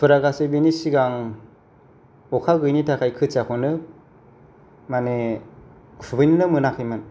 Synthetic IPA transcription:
pʰɯɾaɡasebenisiɡaŋ | ɔkʰaɡɯjnitʰakʰajkʰɯt͡ʃakʰɔnɯ | mane | ubɯjnɯnɯmɯnakʰɯjmɯn

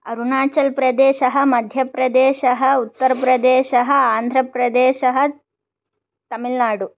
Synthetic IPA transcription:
ɐɾunaːt͡ʃɐlpɾɐd̪eːʃɐɦɐ̆mɐd̪ʱjɐpɾɐd̪eːʃɐɦɐut̪ːɐɾɐpɾɐd̪eːʃɐɦɐaːnd̪ʱɾɐpɾɐd̪eːʃɐɦɐ | t̪ɐmilnaːɖu

